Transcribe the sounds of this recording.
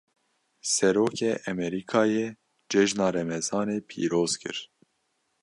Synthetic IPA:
sɛɾoːkeːʔɛmɛɾiːkʰɑːjeː | d͡ʒɛʒnɑːɾɛmɛzɑːneːpʰḭːɾoːz̥kʰɨ̰ɾ

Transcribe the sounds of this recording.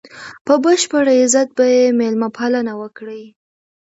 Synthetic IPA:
pəbəʃpəɽaɪzat̪̚bajemelmapʰalənawəkɽi

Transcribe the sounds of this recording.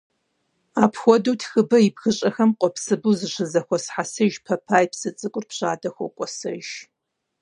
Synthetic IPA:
aːpʰxʷɔduːtʰxɨbɐibxɨɕʼɐxɐmqʷʼɔpsɨbuzɨʂɨzɐxʷɔsħasɨʒpʰɐpʰaːjpsɨt͡sʼɨkʷʼʊrpɕa̰ːdɐxʷɔ̰kʷʼɔsɐ̰ʒ

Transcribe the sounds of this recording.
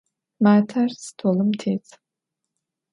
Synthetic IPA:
maːtʰarstʰoːlɨmtʰeːt͡sʰ

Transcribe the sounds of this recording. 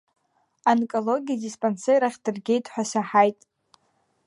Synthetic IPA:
ankʼolo̞ɡʲijadispʼansejɾaχʲd̥ɨrɡʲejtʰʼħʷᶣasaħajtʼ

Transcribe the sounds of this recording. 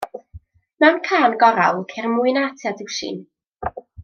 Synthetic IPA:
mɛwnkʰaːnɡɔɾalˠkʰɛrmʊɨnaːtʰjadɪwʃḭn

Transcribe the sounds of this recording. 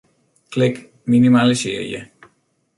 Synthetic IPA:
klɪk | minimalisɪːɹjə̰

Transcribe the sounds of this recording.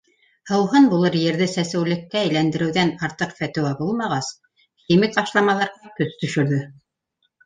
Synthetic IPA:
hɤ̆wɦɤnbulˠɤɾjɘ̆ɾðɘsæsæ̆wlɘ̆kːææjlænd̪ɘ̆ɾɘ̆wðænɑɾt̪ɤqfæt̪ɘ̆wæbulˠmɑʁɑs | xʲimik̚ɑʃlˠɑmɑlˠɑɾʁɑkɵst̪ɵ̆ʃɵ̆ɾðɵ

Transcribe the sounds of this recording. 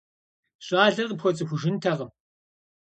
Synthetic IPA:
ɕʼaːɮɐrqəpxʷɔt͡sʼɨxʷʊʒɪntʰɐʁɐm

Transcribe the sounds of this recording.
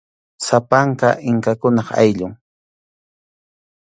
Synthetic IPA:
sapaŋkaʔɪŋkakʊnɑχa̰jʎʊŋ

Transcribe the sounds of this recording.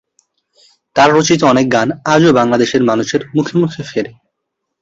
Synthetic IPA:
t̪aɾɾot͡ɕit̪̬oɔnek̚ɡanad͡ʑobaŋlad̪eʃeɾmanuʃeɾmukʰemukʰefeɾe

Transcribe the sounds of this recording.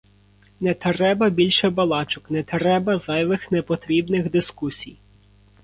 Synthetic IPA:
nɛt̪ɾɛbɐbʲilʲʃɛbɐlˠɑt͡ʃʊknɛt̪ɾɛbɐzɑjʋɪxnɛpɔt̪ɾʲibnɪɣd̪ɪskusʲḭj

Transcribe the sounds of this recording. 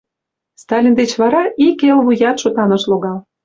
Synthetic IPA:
st̪ɑlʲind̪et͡ɕβɑɾɑikelβujɑt̪ʃot̪ɑnɤ̆ʃloɣɑl

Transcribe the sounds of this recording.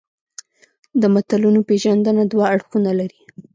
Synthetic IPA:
d̪əmat̪alunopeʒand̪ənad̪waaɽxunalaɾi

